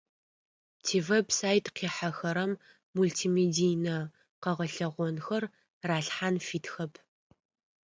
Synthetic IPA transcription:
tʰiːvebsaːjtqiːħaxɐɾɐmː | ultʰiːmeːdijnɐ | qɐʁɐɬɐʁʷɔnxɐr | raːɬħanfiːtxɐpʰ

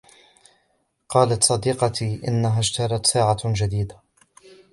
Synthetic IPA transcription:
qɑːlat̪sˤɑd̪iːqɑt̪ʰiːʔɪ̰nːaɦaːʃt̪ɑɾˤɑt̪saːʕad͡ʒad̪iːd̪a

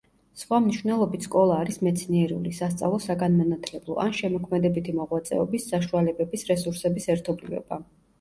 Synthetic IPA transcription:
sχwamniʃvnɛlˠɔbit̪ʰskʼɔlˠaːɾismɛt̪sʰniɛɾɛṵlisast̪sʼa̰vlˠɔsaɡanmanat̪ʰlɛblˠɔ̰ʔanʃɛmɔkʰmɛd̪ɛbit̪ʰimɔʁwat̪sʼɛ̰ɔbisːaʃualɛbɛbisɾɛsuɾsɛbisɛɾt̪ʰɔblivɛ̰ba

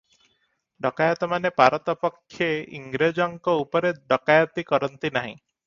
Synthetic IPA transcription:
ɖɔkajɔt̪ɔmanepaɾɔt̪ɔpɔkʰːjeḭŋɡɾed͡ʒɔŋkɔupɔɾeɖɔkajɔt̪ikɔɾɔnt̪inaɦḭ̃

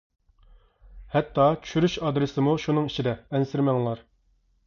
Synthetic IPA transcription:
hɛt̪ːɑt͡ʃʰy̥ʃyɾyʃɑd̪ɾɨsɪmuʃunɨŋit͡ʃʰid̪ɛɛnsɪɾmɛŋlˠɑɾ

